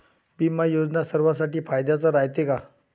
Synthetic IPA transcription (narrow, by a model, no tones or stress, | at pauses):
bimajod͡znasəɾʋas̬aʈiːfajd̪jat͡saɾajt̪eka